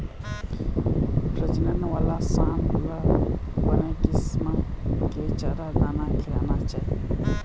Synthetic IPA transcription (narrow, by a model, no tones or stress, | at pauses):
pɾəd͡ʒinənwalasanbulabənakismaket͡ʃaɾad̪anakʰilanat͡ʃa